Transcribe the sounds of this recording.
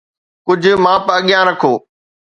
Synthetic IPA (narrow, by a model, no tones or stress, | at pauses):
kʊd͡ʒʱmãːpəəɠɪjãːɾəkʰoː